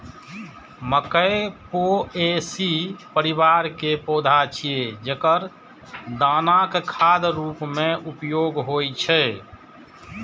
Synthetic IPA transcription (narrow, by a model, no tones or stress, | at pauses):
məkəepoesipəɾiβaɾkepod̪ʱat͡ʃʰied͡ʒekəɾ | d̪aːnakekʰad̪ɾuːpmẽʔupjoɡɦojt͡ʃʰɛ